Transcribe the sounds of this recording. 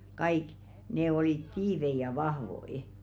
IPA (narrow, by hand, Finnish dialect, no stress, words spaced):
kɑik ne oliˑt tiːʋei jɑ ʋɑhʋoi